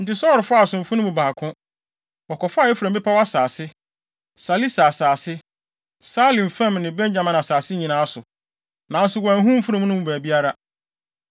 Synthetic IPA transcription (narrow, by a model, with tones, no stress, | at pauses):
n̩˨tɪ˦sɔ˦ɾɪ˨fʊ˦a˨sʊ̃˨m̩˨fũ˦nʊ̃˦mũ˨baː˨kʰʊ̃˦ | ɔ˨kʰɔ˨fɛ˦fɾã˨m˦bɪ˦pʰa˦wa˦saː˨sɪ˦ | sa˨li˦sa˨saː˨sɪ˦ | sa˦lĩ˨nfã˦˨mnɪ̃˨bɛ̃˦ɲd͡ʑã˨mã˨n˨a˨saː˨sɪ˦ɲĩ˨nãː˦sʊ˨ | nã˨˦n˦sʊ˨wɛ̃˨n˦ɦũ˦m̩˦fu˦ɾĩ˦mũ˦nʊ̃˦mũ˨bæː˨bi˦a˦ɾa˦